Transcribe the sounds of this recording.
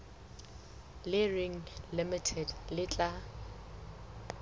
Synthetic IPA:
lɪrɪŋ̩lɪmɪtʰɛdlɪt͡ɬʼa

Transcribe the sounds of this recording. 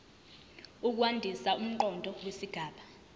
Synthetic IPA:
uk̬uwandʱisaum̩ǃɔndʱɔwesiɡ̥ʱaːɓa

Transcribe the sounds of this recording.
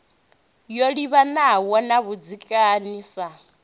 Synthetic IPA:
joɺiβanawɔnaβud͡zikʼaniːsa

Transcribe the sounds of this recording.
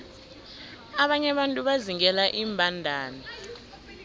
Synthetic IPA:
aɓaɲɛɓantʼuɓaziŋɛlaʔiːmbʱandʱaːna

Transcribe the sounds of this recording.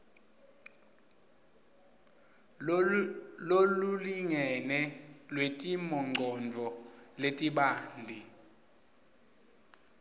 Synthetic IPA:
loluliŋɛnɛlwetʼimɔŋ͡ǃʱɔnd͡vʱɔletʼiɓaːndʱi

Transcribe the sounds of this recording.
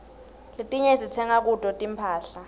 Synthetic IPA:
litʼiɲɛsitʰɛŋak̬ʼudʼɔtʼimpʰaːɬa

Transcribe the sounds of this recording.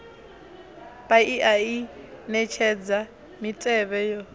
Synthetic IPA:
baiʔainɛt͡ʃʰɛd͡za | mitʼɛβɛjɔ

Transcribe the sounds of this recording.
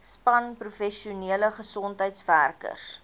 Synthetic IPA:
spɐnprufɛʃiuniələχəsɔntɦəjtsværkə̰rs

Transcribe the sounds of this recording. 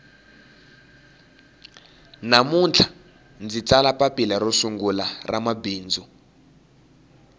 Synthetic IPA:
namunt͡ɬʰḁ | nd͡zit͡salapapilarosuŋɡularamabiːnd͡zu

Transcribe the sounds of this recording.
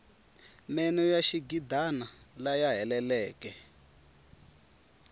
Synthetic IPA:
mɛnɔjaʃiɡidanalajaɦɛlɛlɛːkɛ

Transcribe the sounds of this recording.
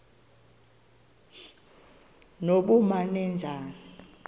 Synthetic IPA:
noɓumanɛnd͡ʒʱaːni

